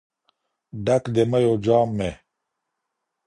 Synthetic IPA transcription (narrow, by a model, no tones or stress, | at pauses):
ɖɐkd̪emɐjoːd͡ʑaːmːe